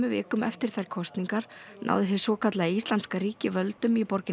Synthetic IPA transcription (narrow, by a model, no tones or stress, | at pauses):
mʏvɪ̰ːkʏmɛ̰ft̪ɪɾ̥θajɾ̥kʰɔst̪niŋkaɾnʔa̰wðɪθɪsɔːkat̪laðɪist̪anskaɾiːcɪvœlt̪ʏmipɔɾcɪ